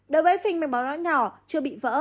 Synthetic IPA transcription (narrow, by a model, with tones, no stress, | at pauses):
ɗo˨˦jvəː˨˦jfï˨˩ŋ̟ma˨˩ɓaː˨˦wla̰ː˧˥nɲɔ˨˩t͡ɕɨ˧əɓḭ˧˨və̰ː˧˥